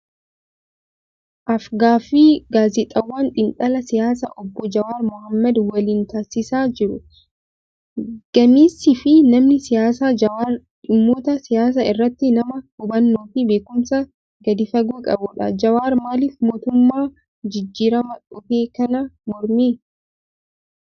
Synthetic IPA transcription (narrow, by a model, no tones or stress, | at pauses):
ʔɐfɡaːfiːɡaːzɪt̪ʼɐwːaːnᶑ̪ʼɪnt̪ʼɐlɐsɪjaːs̬ɐʔɔbːɔd͡ʒɐwaːɾmʊhɐmːɐd̪wɐliːnt̪asɪsaːd͡ʒɪɾʊ | ɡ̥ɐmiːsɪfɪnɐmnɪsɪjaːs̬aːɐa | ᶑɪmːoːt̪ɐsɪjaːs̬ɐɪrːɐt̪ːɪnɐmɐhʊbɐnːoːfibe̞ːkʊmsɐ | ɡɐd̪ɪfɐɡuːkʼɐbʊᶑɐd͡ʒɐwaːɾmaːliːfmo̞ːt̪ʊmːaː | d͡ʒɪd͡ʒːiːɾɐmɐᶑʊfe̞ːkɐnɐmɔɾmiː